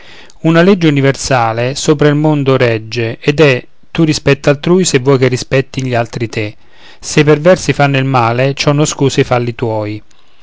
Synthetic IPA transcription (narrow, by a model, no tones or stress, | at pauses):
unalɛd͡ʒːeuniversaːlesoːpɾailmond̪ʊɾɛd͡ʒːeɛd̪ɛ | t̪urːispɛt̪ːalt̪ɾuːjsevːɔjkerːispɛt̪ːinʎialt̪ɾit̪ʰe | sepervɛrsifanːʊilmaːlet͡ʃɔnːʊskuːsifalːit̪wɔːj